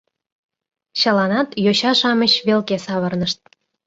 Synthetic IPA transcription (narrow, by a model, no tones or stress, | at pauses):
ɕəlɑnɑt̪joɕɑʃɑməɕβelkesɑβərnəʃt̪̚